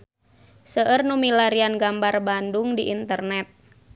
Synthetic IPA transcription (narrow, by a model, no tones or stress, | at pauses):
səʔərnumilaɾianɡambarbandʊŋdiʔint̪ərnɛt̪̚